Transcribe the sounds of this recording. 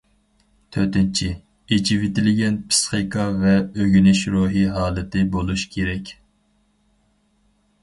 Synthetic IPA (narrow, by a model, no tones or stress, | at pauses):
t̪ʰøɾt̪ɪnt͡ʃʰi | ed͡ʒivɪt̪ɪlɪɡʲɛnpʰɨ̥sχijkʰɑvɛøɡʲynɪʃɾuːɦiɦɑːlˠɨt̪ɪbolˠuʃkʲʰeɾɛkʲ